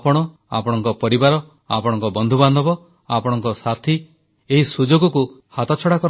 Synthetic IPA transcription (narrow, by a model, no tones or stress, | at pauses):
pɔɽ̃ɔ | a̰pɔɽ̃ɔŋkɔpɔɾibaɾɔ | a̰pɔɽ̃ɔŋkɔbɔnd̪ʱuband̪ʱɔbɔ | apɔɽ̃ɔŋkɔsat̪ʰi | eɦisud͡ʒoɡɔku | hat̪ɔt͡ʃʰɔɽakɔɾ